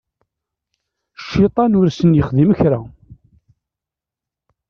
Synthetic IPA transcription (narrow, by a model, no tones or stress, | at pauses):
ʃːɪt̪ˤɑnʊɾsənjəχðimçɾa